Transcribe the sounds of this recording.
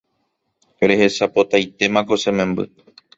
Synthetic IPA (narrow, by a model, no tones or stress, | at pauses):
ɾe̞he̞sapo̞t̪ajt̪e̞mãko̞sẽ̞mẽ̞mbɨ̰